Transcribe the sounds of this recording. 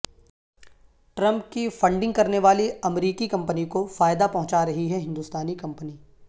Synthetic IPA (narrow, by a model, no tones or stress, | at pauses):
ʈɾɐ̃mp̚kifɐ̃ɳɖɪ̃ŋɡ̚kɐɾneʋaːliɐmɾiːkikɐ̃mpənikofaːjɪd̪apɐɦʊ̃t͡ʃaɾɐɦiɦɛɦɪ̃nd̪uːst̪aːnikɐ̃mpəniː